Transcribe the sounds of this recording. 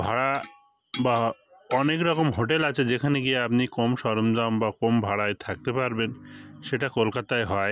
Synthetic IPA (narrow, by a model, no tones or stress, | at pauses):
bʱaɽa | ba | ɔnekɾɔkomɦoʈelat͡ɕʰed͡ʑekʰaneɡieapnikomʃɔɾomd͡ʑambakombʱaɽaet̪ʰak̚t̪epaɾbenʃeʈakolkat̪aeɦɔe